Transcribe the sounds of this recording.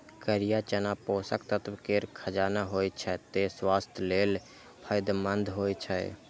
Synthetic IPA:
kəɾijat͡ʃənaposəkt̪ət̪ʰbkeɾkʰəd͡ʒaːnaɦojt͡ʃʰɛt̪eswast̪ʰjlel | pʰəjd̪mənd̪ʱɦojt͡ʃʰɛ

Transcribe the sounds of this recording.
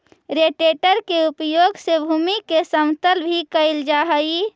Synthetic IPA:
ɾeʈeʈəɾkeupjoːɡsebʱuːmikesəmt̪əlbʱikəɪld͡ʒaːɦəi

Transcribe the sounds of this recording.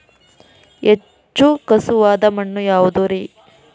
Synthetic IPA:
e | t͡ʃːukɐsuʋaːd̪ɐmɐɳːujaːʋud̪uɾi

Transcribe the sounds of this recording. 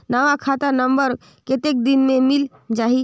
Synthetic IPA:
naʋakʰat̪əɾnəmbəɾ | ket̪ek̚d̪inmemil | d͡ʒaɦi

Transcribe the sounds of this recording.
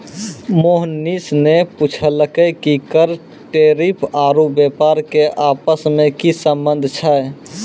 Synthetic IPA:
moɦnisneput͡ʃʰələkəkikəɾ | ʈeɾipʰaːɾubepaɾkeʔaːpəsmẽkisə̃mbə̃nd̪ʱt͡ʃʰə

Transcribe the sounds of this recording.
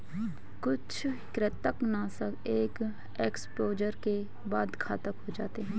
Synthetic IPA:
kʊt͡ʃʰkɾɪt̪əknasəkeːk | eːkspoːd͡ʒəɾke | baːd̪kʰaːt̪əkɦod͡ʒa̰ːt̪eɦɛ̃ː

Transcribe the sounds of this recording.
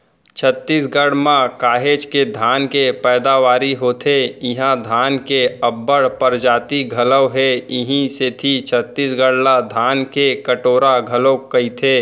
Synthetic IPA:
t͡ʃʰət̪ːiːsɡəɽmãkaːɦeːd͡ʒked̪ʱaːnkepɛːd̪aʋaːɾiɦoːt̪ʰeɪɦãd̪ʱaːnkeɐbːəɽpəɾd͡ʒaːt̪iɡʱɐləwɦɛɪɦĩset̪ʰit͡ʃʰət̪ːiːsɡəɽlad̪ʱaːnkekəʈoːɾaɡʱɐlokɐit̪ʰeː

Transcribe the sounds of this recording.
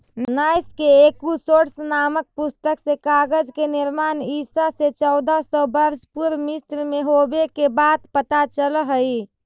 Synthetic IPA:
nnajskeekusoɾsnamək̚pust̪əksẽkaɡəd͡ʒkeniɾmanisaset͡ʃəʊd̪asɔbəɾspuɾmist̪ɾmeɦobekebad̪pət̪at͡ʃəlɦəj

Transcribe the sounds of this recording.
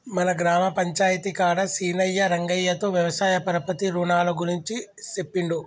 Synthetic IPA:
mɐnɐɡɾaːmɐpɐɲt͡ʃaːjɐt̪ikaːɽɐsiːnɐjːɐɾɐŋɡɐjːɐt̪oːʋjɐʋɐsaːjɐpɐɾɐpɐt̪iɾuːɳaːlɐɡuɾiɲt͡ʃit͡ʃepːiɳɖu

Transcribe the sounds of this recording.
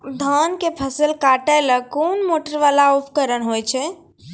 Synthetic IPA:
d̪ʱankepʰəsəlkaʈələkonmoʈəɾʋalaupʰkəɾəɳɦojt͡ʃʰɛ

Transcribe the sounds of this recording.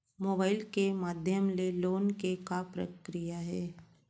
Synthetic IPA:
moːbaːɪlkemaːd̪ʱjəmleloːnkekapɾə̰kɾijaɦɛː

